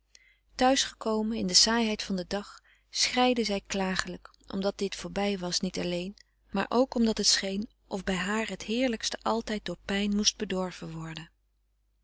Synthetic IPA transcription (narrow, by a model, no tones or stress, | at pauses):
tœɥsχə̥kowmənɪndəsaːjɦɛjtfɑndədɑχ | sχrɛjdəzɛjklaːχələk | ʔɔ̰mdɑt̚d̥ɪtfoːɹbɛjʋɑsnitɑlejn | ma̰ːɹʔowkɔmdɑtɦətsχejn | ʔɔvbɛjɦaːɹɦətɦɪːɹləkstəʔɑlˠtɛjt̚doːɹpɛjnmust̚bədɔɹv̥ənʋɔɹdən